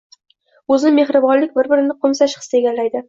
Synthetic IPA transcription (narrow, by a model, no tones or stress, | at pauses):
ɵzɪnɪme̞χɾɪbɒnlɪk̚ʲbɪɾbɪɾɪnɪqʰʊmsaʃχɨ̥sɪeɡʲalːajd̪ɪ